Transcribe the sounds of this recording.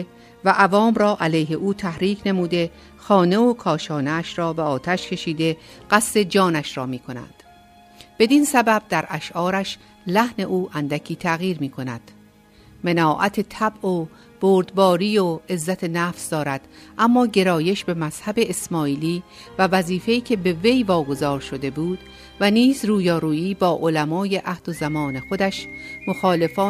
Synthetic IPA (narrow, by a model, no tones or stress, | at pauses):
væʔævɒːmɾɒːʔælejɦe̞ʔuːt̪ʰæhɾiːkʰne̞muːd̪e̞ | xɒːne̞okʰɒːʃɒːneæʃɾɒːbeɒːt̪ʰæʃcʰe̞ʃiːd̪e̞ɢ̥æst̪e̞d͡ʒɒːnæʃɾɒːmiːkʰo̞næ̰nd̪̥ | b̥e̞d̪insæbæb̚d̪æɾʔæʃʔɒːɾæʃ | læhne̞ʔuːʔænd̪æcʰiːt̪ʰæɣiːɾmiːkʰonæ̰d̪̥ | menɒːʔæt̪ʰe̞t̪ʰæbʔo | b̥oːɾd̪bɒːɾiːoe̞zːæt̪ʰe̞næːfsd̪ɒːɾæd̪̥ʔæmːɒːɟe̞ɾɒːje̞ʃbe̞mæz̥hæbe̞esmɒːiːliːvævæziːfe̞iːcʰe̞be̞ve̞jvɒːɡo̞zɒːɾʃo̞d̪e̞buːd̪̥ | væniːzruːjɒːɾuːiːbɒːʔolæmɒːje̞ʔæhd̪ozæmɒːne̞xo̞d̪æʃmo̞xɒːle̞fɒː